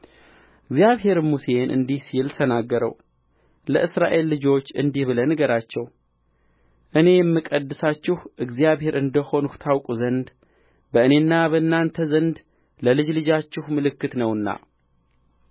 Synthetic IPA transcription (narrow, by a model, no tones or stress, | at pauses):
ɨɡzijaβɦe̞ɾmuse̞nʔɨ̰nd̪ihsilt̪ʰənaɡːəɾə̰w | ləʔɨsɾaʔe̞lːɨd͡ʒo̞t͡ʃːɨ̰nd̪ihβɨlənɨɡəɾat͡ʃːɛw | ʔɨne̞jɛmːɨkʼəd̪ːɨsat͡ʃːɪhʔɨɡzjaβhe̞ɾʔɨnd̪əho̞nuht̪ʰawkʼuzənd̪ | bəɨne̞nːabənːant̪ʰəzənd̪ | ləlɨd͡ʒlɨd͡ʒat͡ʃːɪhmɨlɨkːɨt̪nəwɨnːa̰